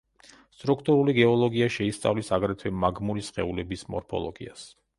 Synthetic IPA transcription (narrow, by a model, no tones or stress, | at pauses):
st̪ʼɾukʰt̪ʼuɾuliɡɛɔlˠɔɡiaʃɛist̪sʼa̰vlisaɡɾɛt̪ʰwɛmaɡmuɾisχɛulɛbismɔɾpʰɔ̰lˠɔ̰ɡḭas